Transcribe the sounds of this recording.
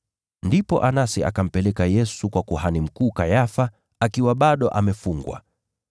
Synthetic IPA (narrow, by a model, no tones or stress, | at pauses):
ndipɔʔanasia̰kam̩pɛlɛkajɛsukwakuhanim̩kuːkajafa | akiwaɓaɗɔʔamɛfuŋɡwa̰